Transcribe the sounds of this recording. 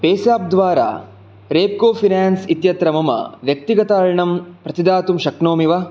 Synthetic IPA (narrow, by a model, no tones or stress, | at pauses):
peːsaːp̚d̪ʋaːɾa̰ː | ɾeːp̚koːpʰinaːnsit̪jɐt̪ɾɐmɐmɐ̰ʋjɐk̚t̪iɡɐt̪ɐɻɳɐmpɾɐt̪id̪aːt̪umʃɐknoːmiʋɐ